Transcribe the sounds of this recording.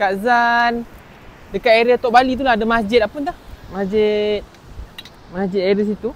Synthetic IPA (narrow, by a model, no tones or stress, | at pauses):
kaʔzan | dəkat̪eɾət̪ɔʔbalit̪̬ulahdəmasd͡ʒɪt̪̚apunt̪ahmasd͡ʒɪt̪̚ | masd͡ʒɪt̪aɾəs̬it̪u